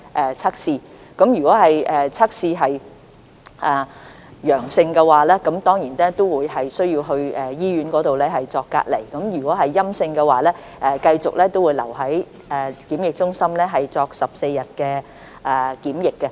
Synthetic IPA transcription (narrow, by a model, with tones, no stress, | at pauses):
ʔɛː˨˩t͡sʰa˥k̚siː˧ | kɐ˨˧˥mjyː˨˩kʷɔː˨˥ɦɐ˨jɛː˨t͡sʰa˥k̚siː˧ɦɐ˨j | ʔɛː˨ | jœː˨˩ŋsɪ˧ŋkɛ˧waː˨lɛː˥kɐ˨˥mt̪ɔː˥ŋjiː˨˩nnɛː˥t̪o˥wwuː˨˧jɦɐ˨jsɵ˥ɥjiː˧wɦɵ˧ɥɛː˨˩jiː˥ɥyː˨˥nkɔː˨˥t̪o˨wlɛː˥ɦɐ˨jt͡sɔː˧kːa̰ː˧t̚lḛ˨˩jkɐ˨˥mjyː˨˩kʷɔː˨˥ɦɐ˨jːɐ˥msɪ˧ŋkɛ˧waː˨lɛː˥ | ʔɛː˨kɐ˧jt͡sʊ˨k̚lɛː˥t̪o˥wuː˨˧jlɐ˨˩wɦɐ˨˥j | ɛː˨kiː˨˥mjɪ˨k̚t͡ʃʊ˥ŋsɐ˥mlɛː˥ɦɐ˨jt͡sɔː˧k̚sɐ˨p̚se˧jjɐ˨t̚kɛː˧ | ʔɛː˨˩kiː˨˥mjɪ˨kːɛ˧